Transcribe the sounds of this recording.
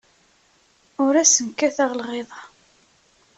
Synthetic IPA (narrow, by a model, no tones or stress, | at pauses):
ʊɾæsənkːæθæʁlʁeðˤɑ